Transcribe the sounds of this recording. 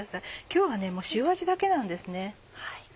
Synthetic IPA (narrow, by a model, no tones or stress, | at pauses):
asaikʲo̞ːβane̞mo̞ːɕɨːβaʑid̪ake̞nãnd̪e̞sɨne̞ | hai